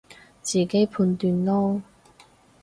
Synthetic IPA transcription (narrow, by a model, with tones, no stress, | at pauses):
t͡siː˨˩ke˨˥jpʰuː˧nt̪yː˧nlɔː˥